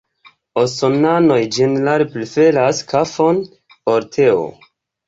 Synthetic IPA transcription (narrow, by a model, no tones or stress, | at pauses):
osonano̞jd͡ʒenelalplife̞laskʰafo̞n | oɾtʰeo̰